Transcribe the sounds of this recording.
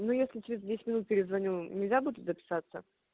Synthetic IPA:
nujesʲlʲɪt͡ɕɪɾʲɪzdʲesʲt̪ʲmʲɪnut̪̚pʲɪɾʲɪzvɐnʲunʲɪlʲzʲabud̪ʲɪt̪zəpʲɪ̥sat̪sə

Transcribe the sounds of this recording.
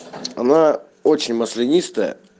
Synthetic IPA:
ɐna | ot͡ɕɪnʲməslʲɪnʲist̪əjə̰

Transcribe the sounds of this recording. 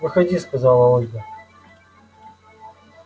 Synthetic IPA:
vɨxɐdʲiskɐzɑlˠɐolʲɡə

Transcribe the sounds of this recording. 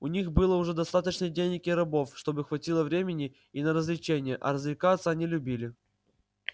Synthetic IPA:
ʊnʲixbɨlˠəʊʐɛd̪ɐst̪at̪ət͡ɕnɨdʲenʲɪkʲɪɾɐbo̞fʂt̪o̞bɨxvɐtʲilˠəvɾʲemʲɪnʲɪ | inəɾəzlʲɪt͡ɕenʲɪjəʔɐ̰ɾəzlʲɪkat̪səɐnʲilʲʊbʲilʲɪ

